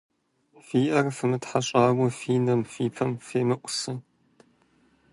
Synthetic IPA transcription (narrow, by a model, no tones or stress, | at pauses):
fiːʔɐrfɨmɨtħaɕʼaːwʷʊfiːnɐmfiːpʰɐmfeːmɨʔʷʼʊsɨ